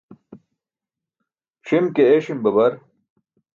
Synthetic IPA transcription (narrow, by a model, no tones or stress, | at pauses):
ʂimkeeɕimbɐbɐɾ